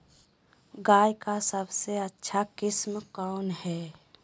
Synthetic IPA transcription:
ɡaːjkasəbseətːʃʰakɪsmkɔːnɦɛː

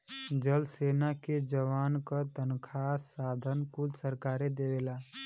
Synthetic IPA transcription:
d͡ʒəlseːnaked͡ʒəwaːnkət̪ənkʰasaːd̪ʱənkulsəɾkaːɾed̪ewela

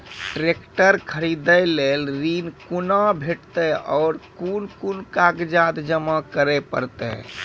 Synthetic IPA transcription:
ʈɾekʈəɾkʰəɾid̪əjlelɾinkunabʱeʈt̪ɛɔːɾkunkunkaɡd͡ʒad̪d͡ʒəmakəɾɛpəɾt̪ɛ̰

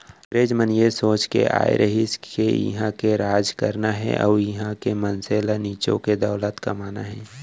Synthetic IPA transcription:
ɾeːd͡ʒmənjesoːt͡ʃkḛʔa̰ːḛɾʔəɦɪskejḭɦãkeɾaːd͡ʒkəɾnaɦɛ̰̃ʔɔ̰ːjɪɦãkemənseːlaniːt͡ʃõ̰ked̪ɔːlət̪kɐmaːnaɦɛ̃ː

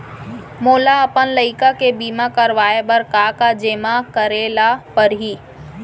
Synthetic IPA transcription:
moːlaəpənləɪkakebiːmakəɾʋaːebəɾkakad͡ʒeːmakəɾeːlapəɾɦiː

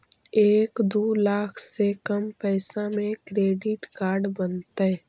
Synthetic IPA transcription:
eːkd̪oːlaːkʰsekəmpɛːsãmẽkɾeːɖɪʈkaːɾɖbənt̪a

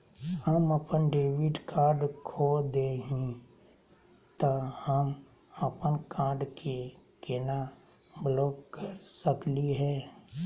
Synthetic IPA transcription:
həməpənɖeːʋɪʈkaːɾɖkʰod̪eɦĩ | t̪ahəm | əpənkaːɾɖkʰi | kɪna | blɔːkkːəɾsəkliɦɛː

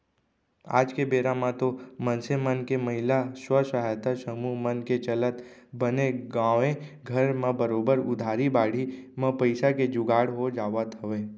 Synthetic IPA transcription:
a̰ːd͡ʒkebeːɾamãt̪omə̃nsemənkeməɦɪlaswəsəɦajt̪asəmuɦmənket͡ʃələt̪ | bəneɡãːʋẽɡʱəɾmãbəɾoːbəɾʊd̪ʱaːɾibaːɽ̤imə̃pəɪsaked͡ʒʊɡaːɽɦod͡ʒaːʋət̪ɦəʋeː

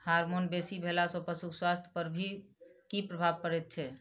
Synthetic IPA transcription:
haɾmonbesibʱelasɔ̃pəsukʰswast̪ʰjəpəɾbʱikipɾəbʱabkəɾɛt̪̚t͡ʃʰɛ

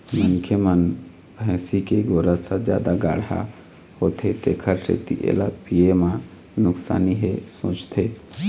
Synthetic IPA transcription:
məŋkʰjəmən | bʱɛ̃ːsikeɡoːɾəsãd͡ʒja̰ːd̪aɡaːɽa̰ | hoːt̪ʰet̪eːkʰəɾsḛt̪ḭʔḛlapiemã | nʊksa̰ːniɦesõ̰ːt͡ʃt̪ʰe

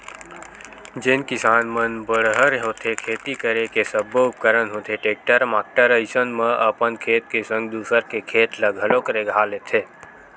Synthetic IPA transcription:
d͡ʒɪnkɪsaːnmənbəɽɦəɾɦoːt̪ʰekʰeːt̪ikəɾekesəboʊp̚kəɾənɦõt̪ʰeʈeːk̚ʈəɾmaːk̚ʈəɾəɪsənmə̃əpənkʰeːt̪̚kesə̃ŋɡd̪uːsəɾkekʰeːt̪ləɡʱəlokəɾeɡʱaːlet̪ʰeː

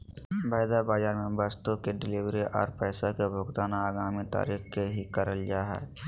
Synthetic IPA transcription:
baːjd̪abaːd͡ʒaːɾmẽbaːst̪okeɖɪliːwɾiʔɔ̰ːɾpɛːsakebʱʊɡt̪aːnaaːɡaːmit̪a̰ːɾiːxkeɦikəɾəld͡ʒaːɦɛ̰ː

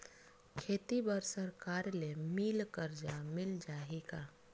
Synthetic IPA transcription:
kʰeːt̪ibəɾsəɾkaːɾlemilkəɾd͡ʒamɪld͡ʒaːɦika

